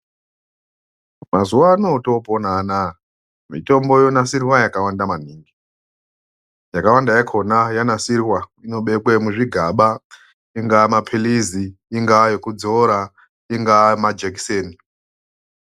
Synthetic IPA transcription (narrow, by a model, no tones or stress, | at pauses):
mazuwano̞to̞ponana | mḭto̞mbo̞jonasirwajakawandaman̤iːŋɡi | jakawandajakʰo̞najanasirwaino̞ɓe̞kwemuʐiɡʱaɓa | iŋɡamapʰiliziːŋɡajo̞kud͡zo̞ɾa | iŋɡamad͡ʒek̬i̥seːni